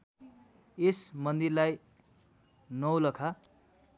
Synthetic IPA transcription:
esmʌnd̪irlaj | nʌwlʌkʰa

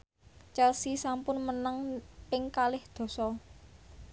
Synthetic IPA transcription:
t͡ʃəlsisampʊnmənəŋpɪŋkalɪhd̪̥ɔ̤sɔ

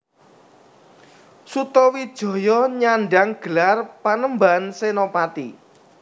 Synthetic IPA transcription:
sut̪ɔwid̥ʒ̥ɔ̤jɔɲaɳɖaŋɡ̥ə̤larpanəmbansenopat̪ḭ

